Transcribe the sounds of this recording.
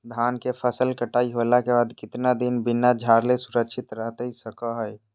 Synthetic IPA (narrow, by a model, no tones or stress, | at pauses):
d̪ʱaːnkepʰəsəlkəʈaːiɦolakebaːd̪kɪt̪nad̪inbɪnad͡ʒʱaːɾlesuɾəkʃʰɪt̪ɾəɦt̪ɦisəkəɦəj